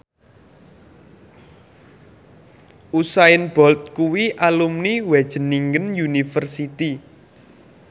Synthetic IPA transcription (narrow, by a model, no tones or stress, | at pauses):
ʔusaɪnb̥ɔlt̪̚kuwiʔalumniwɛd̥ʒ̥ə̤niŋɡənjunifərsit̪i